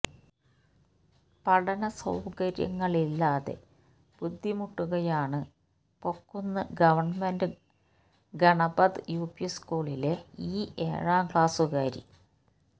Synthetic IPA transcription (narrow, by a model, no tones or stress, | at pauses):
pɐɽɐnɐsɐ̰wkɐɾjɐ̰ŋːɐɭilːaːðe̞̰ | b̥ud̪ʱːimuʈːuɣɐjaːɳɨ | po̞kːunːɐɡɐʋɐrɳmendɨ | ɡɐɳɐbɐd̪ɨjuːpiskuːɭileiːḛːɻaːŋkɭaːsuɣaːɾḭ